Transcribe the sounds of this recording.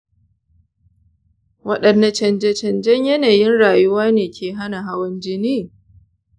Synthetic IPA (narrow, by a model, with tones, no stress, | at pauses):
wɐ˦ɗɐ˨nːa˨˦t͡ʃɐ˨nd͡ʒɛ˦t͡ʃɐ˨nd͡ʒɛ˦ɲjɐ˦naː˨jɪ˦nɽaː˨jʊ˦waː˦neː˨kʲeː˨ɦa˦na˨ɦa˦wɐ˦nd͡ʒɪ˦niː˦˨